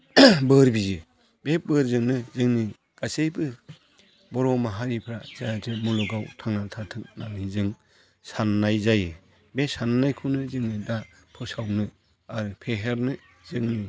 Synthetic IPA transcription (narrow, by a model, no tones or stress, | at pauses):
bɯɾbizɯ | bebɯɾzɯŋnɯzɯŋni | ɡ̥asejbɯ | bɔɾɔmaɦaɾipʰɾazazɯmulɔɡawtʰaŋnatʰatʰɯk̚nanizɯŋ | sanːajzajɯ | besannajkʰunɯzɯŋnida | pʰɯsawnɯ | aɾɯpʰeɦeɾnɯ | z̥ɯŋni